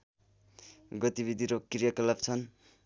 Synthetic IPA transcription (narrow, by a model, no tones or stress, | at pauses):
ɡʌt̪ibid̪ʱiɾokirjakʌlabt͡sʰʌn